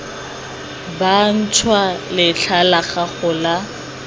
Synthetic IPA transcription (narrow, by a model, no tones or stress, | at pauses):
ban̩t͡ʃʰwalɪɬʰalaχaχʊla